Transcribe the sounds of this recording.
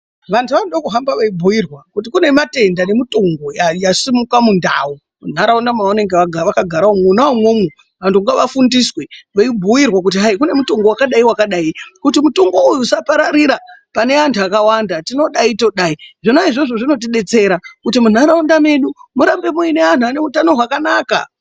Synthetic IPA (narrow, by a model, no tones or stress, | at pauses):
ʋantʰuʋanoɗakuɦambaʋaibʱuirwakut̬ikune̞mate̞ndane̞mito̞ŋɡo̞jajasimukamunda̰ːu | mun̤aɾaundamaune̞ŋɡeʋaɡʱaʋakaɡʱaɾaomunaomwomu | ʋantʰuŋɡaʋafundisweʋaibʱujirwak̬ut̬iɦaikune̞muto̞ŋɡowakaɗaiwakaɗaikutimuto̞ŋɡo̞ujusapaɾaɾiɾapane̞antʰuakawandatino̞ɗaito̞ɗaiʐinaiʐoʐo̞ʐino̞t̬iɗe̞t͡se̞ɾakutimun̤aɾaundame̞ɗumuɾambe̞muine̞an̤uane̞utano̞ɦwakanaːka̰